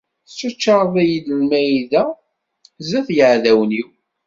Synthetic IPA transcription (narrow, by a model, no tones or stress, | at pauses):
θt͡ʃːət͡ʃːɑɾˤðˤæjid̪əlmæjiðæ | zæθjəʕðæwniw